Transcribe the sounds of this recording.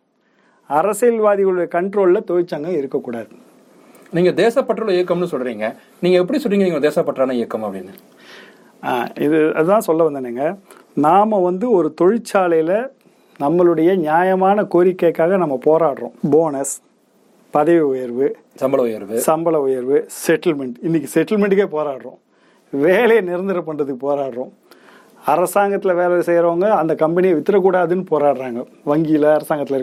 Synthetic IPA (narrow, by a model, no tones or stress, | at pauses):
ɐɾɐsɐlʋaːðɪɣɐɭɯɽɐjɐkɐɳʈɾoːllɐt̪ɔɻɪt͡ʃːaːŋɡɐɪɾɯkːɐkːuːɽaːðɯ | niːŋɡɐd̪eːsɐpːɐʈɾɐlɐɪjɐkːɐmnːɯsɔlːɾiːŋɡɐ | niːŋɡɐɛp̬ːɐɽisɔlːiːŋɡniːŋɡɐd̪eːsɐpːɐʈːɾaːnɐɪjɐkːɐmɐpːɐɽɪnɐ | aːɪðɯɐ̰ðɯt̪ãːsɔlːɐʋɐnd̪ɯnːeːŋɡɐ | naːmɐʋɐnd̪ɯɔɾɯt̪ɔɻɪt͡ʃːaːlɐjlɐ | nɐmːɐɭɯɽɐjɐɲjaːjɐmaːnɐkoːɾɪkːɐkːaːɣɐnɐmːɐpoːɾaːʈɾõ̰ːboːnɐs | pɐðɐʋiʊjɐɾʋɯ | sɐmbɐɐʊjɐɾʋɯsɐmbɐɭɐʊjɐɾʋɯsɛʈːɐlmɛɳʈɪnːɪkːɯsɛʈːɐlmɛɳʈɯkːeːpoːɾaːʈɾõ̰ː | ʋeːlɐjɐnɪɾɐnd̪ɪɾɐp̬ːɐɳrɐðɯkːɯpoːɾaːʈɾõ̰ː | ɐɾɐsaːŋɡɐt̪ːɪlɐʋeːlɐsɛjɾoːŋɡɐːnd̪ɐkɐmbɐnɪjɐʋɪt̪ːɪɾɐk̬ːuːɽaːðɯnːɯpoːɾaːʈɾaːŋɡɐ | ʋɐŋɡɪjɪlɐɐɾɐsaːŋɡɐt̪ːɪlɐɪɾ